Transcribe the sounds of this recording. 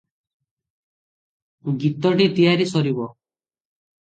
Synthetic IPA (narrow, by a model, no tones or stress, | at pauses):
ɡit̪ɔʈit̪ijaɾisɔɾibɔ